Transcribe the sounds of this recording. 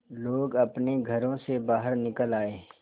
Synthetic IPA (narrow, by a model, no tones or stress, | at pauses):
loːɡɐpneɡʱɐɾõsebaːɦəɾnɪkəlaːeː